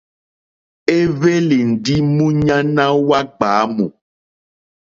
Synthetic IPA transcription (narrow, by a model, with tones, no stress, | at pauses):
e˦ve˦le˨n̩˨ɖi˦mũ˦ɲã˦nã˦wa˦ɡ͡ba˨˦mṵ̃˨